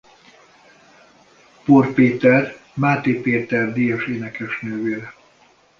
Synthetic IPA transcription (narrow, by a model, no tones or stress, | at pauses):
porpeːt̪ɛr | maːt̪eːpeːt̪ɛrd̪ijɒʃeːnɛkɛʃnøːveːɾɛ